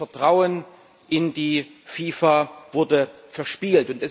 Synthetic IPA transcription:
ɛɐtʁ̥aʊən | ʔɪndiːfiːfav̥ʊɐdə | fɛɐʃpiːltʊntɛs

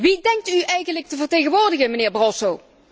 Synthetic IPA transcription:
ʋidɛŋk̚tyɛjɣənlək̚təvərɹtejɣənʋʊːɹdəɣənmənɪːɹbrɔlˠsow

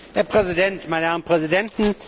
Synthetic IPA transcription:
heːɐpʁ̥ɛzidɛntmaɪnəɛɐʁnpʁ̥ɛzidɛntn̩

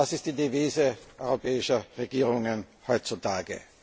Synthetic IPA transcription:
asɪst̚d̥iːdeviːzəʔɔʏʁopɛːɪʃɐʁeɡiːʁ̞ʊŋənhɔʏtt͡sutaːɡə̰

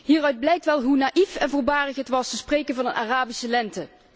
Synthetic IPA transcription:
ɦiːrœɥd̚blɛjk̚tʋɛlˠɦunaːʔifɛnvʊːlbaːrəxətʋɑstəsprejkənvɑnənʔaraːbisəlɛntə

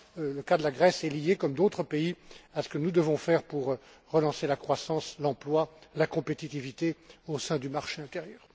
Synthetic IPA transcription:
ləkad̪əlaɡʁɛsɛlijekɔmd̪ot̪χəpeiasə̥kənud̪əvɔ̃fɛʁpuʁ | ʁəlɑ̃selakχwasɑ̃slɑ̃plwalakɔ̃pet̪it̪ivit̪eosɛ̃d̪ymaʁʃeɛ̃t̪eʁjœːʁ

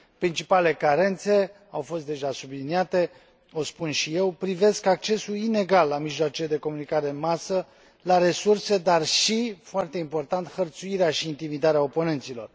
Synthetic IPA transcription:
pɾint͡ʃipale̞kaɾe̞nt̪se̞ | awfo̞s̬t̪d̪e̞ʒasubliniat̪e̞ | o̞spunʃije̞wpɾive̞skak̚t͡ʃe̞suine̞ɡalːamiʒloat͡ʃed̪e̞ko̞munikaɾe̞ɨnmasə | laɾe̞surse̞d̪arʃifoart̪e̞impo̞rt̪ant̪xərt̪suiɾeaʃiːnt̪imid̪aɾeao̞po̞ne̞nt̪silo̞r

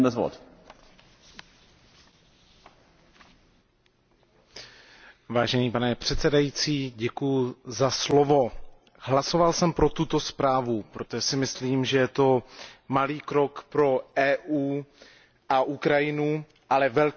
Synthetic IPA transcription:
nɛzvo̰t̪ | vaːʒɛniːpanɛpr̝̥ɛt̪sɛdajit͡siːɟɛkujuzaslovo̞ | hlaso̞valsɛmpɾo̞t̪ut̪o̞spɾaːvupɾo̞t̪oʒɛsɪmɪsliːmʒɛjɛt̪o̞maliːkɾo̞kpɾo̞ʔɛːʔuː | ʔaʔukɾajɪnu | ʔalɛvɛl

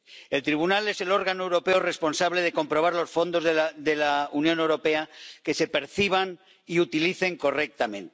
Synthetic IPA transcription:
e̞lt̪ɾiβ̞unale̞se̞lo̞ɾɣanoewɾo̞pe̞ore̞spo̞nsaβle̞ðe̞ko̞mpɾo̞βaɾlo̞sfo̞nd̪o̞zðe̞launjõ̞ne̞wɾo̞pe̞ake̞se̞pe̞ɾθiβ̞an | iut̪iliθe̞ŋko̞rek̚t̪amẽ̞nt̪e̥

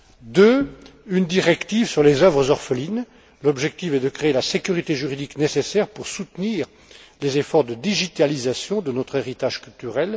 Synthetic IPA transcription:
d̪øynd̪iʁɛkt̪ivsyʁlezœvʁəzɔʁfəlin | lɔbʒɛk̚t̪ifɛd̪əkχeːlasekʲyʁit̪eʒyʁid̪iknesesɛʁpuʁsut̪niːʁ | lezefɔʁd̪əd̪iʒit̪alizasjɔ̃d̪ənɔt̪χeʁit̪aʒkʲylt̪yʁɛl

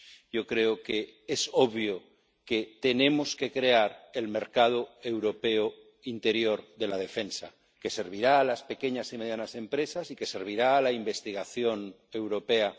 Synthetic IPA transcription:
jo̞kɾe̞oke̞esoβjo | ke̞t̪e̞nẽ̞moske̞kɾeaɾe̞lme̞ɾkað̞oe̞wɾo̞pe̞o | int̪e̞ɾjo̞ɾðe̞lað̞e̞fe̞nsa | ke̞se̞ɾβ̞iɾaːlaspe̞ke̞ɲasime̞ð̞janase̞mpɾe̞sasike̞se̞ɾβ̞iɾaːlaimbe̞st̪iɣ̞aθjo̞n | e̞wɾo̞pe̞a

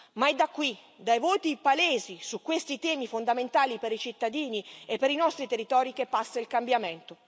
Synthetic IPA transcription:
maɛd̪akːwi | d̪ajvoːt̪ipaleːzisukwest̪it̪ɛːmifond̪ament̪aːlipeɾit͡ʃit̪ːad̪iːniepːeɾinɔst̪ɾit̪erːit̪ɔːɾikepːasːailkambjament̪o

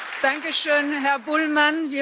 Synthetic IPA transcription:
d̥aŋkəʃøːnɦɛɐbʊlmanviːɐ

